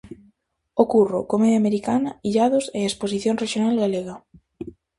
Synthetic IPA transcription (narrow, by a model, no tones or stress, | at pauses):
okurokomeðjameɾikanaiʎaðoseesposiθjonreʃjonalɣaleɣa